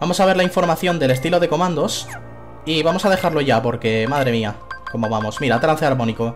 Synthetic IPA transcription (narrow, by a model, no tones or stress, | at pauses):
bamosaβe̞ɾlaiɱfo̞ɾmaθjo̞nd̪e̞le̞st̪ilo̞ð̞e̞ko̞mãnd̪o̞s | iβamo̞saðe̞xaɾlo̞ʝapo̞ɾke̞maðɾe̞miako̞mo̞βamo̞smiɾat̪ɾan̟θeaɾmo̞niko